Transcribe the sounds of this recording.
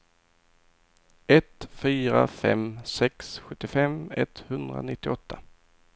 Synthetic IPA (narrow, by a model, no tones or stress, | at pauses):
ɛt̪fyːɾa̰fɛmsɛksɧɵt̪ːɪfɛmɛt̪hɵnd̪ɾa̰nɪt̪ːɪɔt̪ʰːa